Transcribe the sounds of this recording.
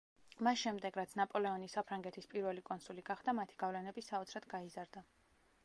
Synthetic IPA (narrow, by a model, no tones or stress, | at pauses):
masʃɛmd̪ɛɡɾat̪sʰnapʼɔlɛɔnisapʰɾaŋɡɛt̪ʰispʼiɾvɛlikʼɔnsuliɡaχd̪amat̪ʰi̥ɡ̥avlɛnɛbisaɔt̪sʰɾad̪ɡaizaɾd̪a